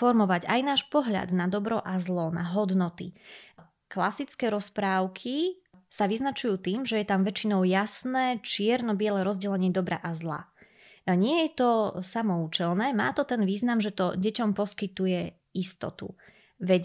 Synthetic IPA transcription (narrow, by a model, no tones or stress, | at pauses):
ɔɾmɔʋaɟajnaːʃpɔɦʎa̰d̪nad̪ɔbɾɔʔazlɔnaɦɔd̪nɔt̪ḭ | klasit͡skɛːɾɔspɾaːʊkʰi | saʋiznat͡ʃujuːt̪iːmʒɛjɛt̪amʋɛt͡ʃinɔʊjasnɛːt͡ʃɪɛɾnɔbɪɛlɛɾɔzɟɛlɛɲɪɛd̪ɔbɾa̰ʔazla̰ | ɲɪɛjɛt̪ɔsamɔuːt͡ʃɛlˠnɛːma̰ːt̪ɔt̪ɛnʋiːznamʒɛt̪ɔɟɛcɔmpɔskit̪ujɛ | ist̪ɔ̰t̪ṵ | ʋɛɟ